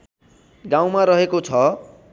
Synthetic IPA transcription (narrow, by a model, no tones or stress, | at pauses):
ɡaw̃maɾʌɦekot͡sʰʌ